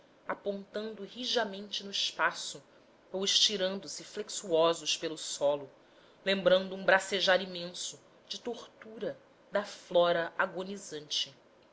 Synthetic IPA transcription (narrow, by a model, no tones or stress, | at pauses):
apõnt̪ɐ̃nd̪ʊɦiʒɐmẽnt͡ʃɪnʊiʃpasʊ | owɪʃt͡ʃiɾɐ̃nd̪ʊsɪfleksuɔzʊʃpelʊsɔlʊ | lẽmbɾɐ̃nd̪ʊũbɾaseʒaɾimẽsʊ | d͡ʒɪt̪oχt̪uɾɐ | d̪ɐflɔɾɐʔaɡonizɐ̃nt͡ʃɪ